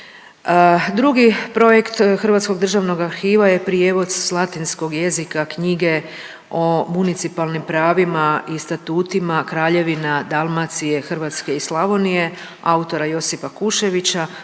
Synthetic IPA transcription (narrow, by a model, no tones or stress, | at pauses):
d̪ɾuɡipɾo̞jekt̪xr̩ʋaːt̪sko̞ɡd̪r̩ʒaʋno̞ɡaɾxiːʋaje̞pɾijeʋo̞d̪lˠat̪insko̞ɡje̞zikakɲiɡe̞ | o̞munit̪sipalnimpɾaːʋimaist̪at̪uːt̪imakɾaːʎe̞ʋinad̪alˠmat̪sije̞xr̩ʋaːt̪ske̞islˠaʋo̞nije̞ | aut̪o̞ɾajo̞sifakuʃe̞ʋit͡ɕa